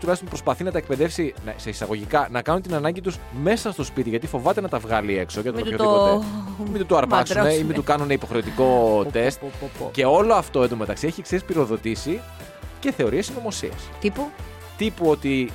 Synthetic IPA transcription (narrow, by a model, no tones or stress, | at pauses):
t̪ulɐst̪pɾo̞spɐθinɐt̪ɐek̚pe̞ðe̞fsinɐse̞isɐɣo̞ʝikɐnɐkɐnunt̪inɐnɐɲɟit̪usme̞sɐst̪o̞spit̪iʝɐt̪ifo̞vɐt̪e̞nɐt̪ɐvɣɐlie̞ksocet̪ɾoomit̪ut̪oɐɾpɐksumeimit̪ukɐnuneipo̞xɾe̞ot̪iko̞t̪e̞st̪ce̞o̞lo̞ɐft̪oend̪ome̞t̪ɐksieçiksespiɾo̞ðo̞t̪isi | ce̞θe̞o̞ɾiesino̞mo̞sḭɐ̰st̪pu | t̪ipuo̞t̪i